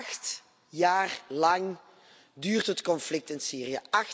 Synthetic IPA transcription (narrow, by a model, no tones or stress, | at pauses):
xt | jaːrlɑŋ | dyːrtɦətkɔnflɪk̚tɪnsiːriə̰ʔɑx